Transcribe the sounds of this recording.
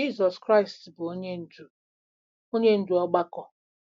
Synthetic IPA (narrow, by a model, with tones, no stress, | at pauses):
i˦˨zɔ˨skɾa˦ɪ˨stbʊ˨o˦ɲe˦n̩˨d͡ʒu˦ | o˦ɲe˦n̩˦du˦ɔ˦ɡ͡ba˦kɔ˨